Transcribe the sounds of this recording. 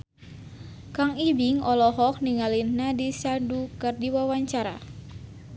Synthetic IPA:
kaŋibiŋɔlɔɦɔk̚niŋalinːadisadukɨrdiwawaɲt͡ʃaɾa̰

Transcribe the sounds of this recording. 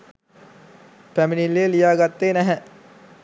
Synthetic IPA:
pæminilːejəlijaːɡat̪ːeːnæɦɛ

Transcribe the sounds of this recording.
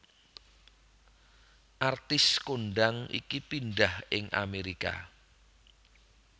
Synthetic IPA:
ʔart̪ɪskoɳɖaŋḭkipinɖahɪŋʔa̰meɾika̰

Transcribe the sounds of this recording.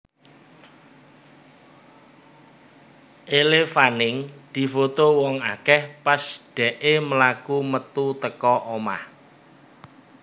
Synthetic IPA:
ʔelefanɪŋd̪̥i̤fot̪owɔŋakɛhpasɖ̪̥ɛ̤ʔeməlakumət̪ut̪əkɔʔoma̰h

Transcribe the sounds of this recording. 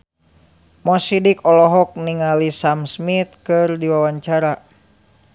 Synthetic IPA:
mɔsidikɔlɔɦɔk̚niŋalisamsmit̪̚kɨrdiwawaɲt͡ʃaɾa

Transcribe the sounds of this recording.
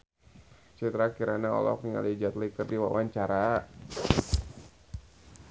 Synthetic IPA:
t͡ʃit̪ɾakiɾanaɔ̰lɔ̰k̚niŋa̰lid͡ʒat̪likərdiwa̰waɲt͡ʃaɾa

